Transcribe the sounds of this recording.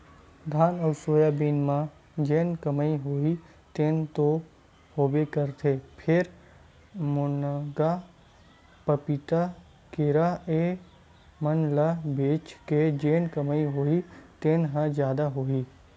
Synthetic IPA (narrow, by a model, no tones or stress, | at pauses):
d̪ʱaːnɔːɾsoːjaːbiːnmã | d͡ʒeːnkəmaiɦoːi | t̪eːnt̪o | hoːbekəɾt̪ʰepʰɪɾ | mʊnɡa | pəpit̪a | keɾae | mənlabeːt͡ʃked͡ʒeːnkəmaiɦoːit̪eːnɦãd͡ʒjaːd̪aɦoːiː